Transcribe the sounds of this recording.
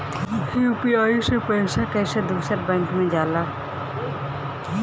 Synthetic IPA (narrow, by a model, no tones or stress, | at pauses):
juːpiaːisepɛːsakɛːsəd̪uːsəɾbɛ̃ːŋkmẽd͡ʒaːlaː